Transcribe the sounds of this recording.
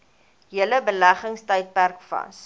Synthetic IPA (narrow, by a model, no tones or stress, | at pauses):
ɦiələbəlæχəŋstəjt̚pærkfɐ̰s